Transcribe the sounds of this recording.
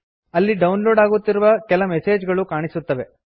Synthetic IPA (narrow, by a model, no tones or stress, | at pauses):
ɐlːiɖɐwnlo̞ːɖaːɡut̪ːiɾuʋɐkɛlɐmɛse̞ːd͡ʒɡɐɭukaːɳisut̪ːɐʋe̞